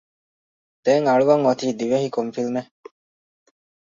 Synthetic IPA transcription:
d̪̥eːŋɐɭuʋɐŋot̪iːd̪iʋeɦikomfilme

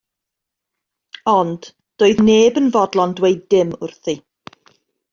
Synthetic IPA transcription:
ɔnd̥ | d̥oːɨðneːbənvɔdlˠɔndwejdɪmʊrθi

